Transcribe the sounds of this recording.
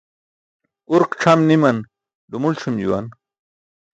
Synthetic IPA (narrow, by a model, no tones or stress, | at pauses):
uɾqʈ͡ʂʰɐmnimɐn | ɖumulʈ͡ʂʰumd͡ʑṵwɐ̰n